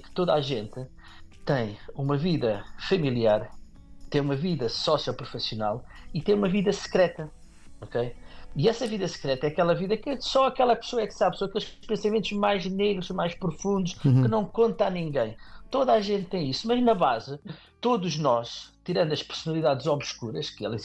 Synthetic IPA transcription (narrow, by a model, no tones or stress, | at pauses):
kɨ̥t̪oða̰ʒẽnt̪ | t̪ɐ̃j̃umɐviðɐfɐmilˠiaɾ | t̪ẽj̃umɐviðɐsɔsiɔpɾufisiuna̰lˠit̪ẽj̃umɐviðɐsɨ̥kɾɛt̪ɐ | okejiɛsɐviðɐsɨ̥kɾɛt̪ɐɛɐkɛlˠɐviðɐkɨsɔɐkɛlˠɐpɨ̥soɐɛksaβsɔɐkelˠʃʃpẽsɐmẽnt̪uʒmajʒneɣɾuʃmajʃpɾufũnd̪uʃkɨnɐ̃w̃kõnt̪anĩŋɡɐ̃j̃t̪oðaʒẽnt̪̚ːɐ̃j̃isumɐʒnɐβazɨ | t̪oðuʒnɔʃt̪iɾɐ̃nd̪ɐʃpɨɾsunɐlˠiðaðzɔβʃkuɾɐʃkɨɛ̰lˠɐ